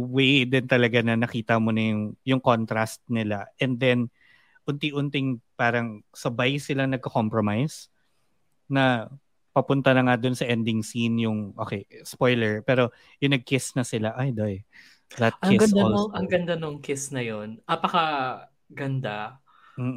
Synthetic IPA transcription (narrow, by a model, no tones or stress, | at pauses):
wɛd̪ɪnt̪ɐlɐɡanɐnɐkiːt̪ɐmonɐjʊŋjʊŋko̞nt̪ɾast̪̚nɪlaʔɛnd̪ɛn | ʔʊnt̪ɪʔʊnt̪ɪŋpaːɾɐŋsɐbajsɪlaŋnɐɡ̚kɐko̞mpɹomajs | nɐ | pɐpʊnt̪ɐnɐŋad̪ʊnsɐʔɛnd̪ɪŋsinjʊŋʔoːkɛjspo̞jlɛɹpɛːɾo̞ | jʊŋnɐɡ̚kɪsnɐsɪlaʔajd̪oj | d̪ɐt̪̚kɪɡɐd̪aloʔɐŋɡɐnd̪anoŋkɪsnɐjonʔɐpɐkɐ | ɡɐnd̪a | m̩ː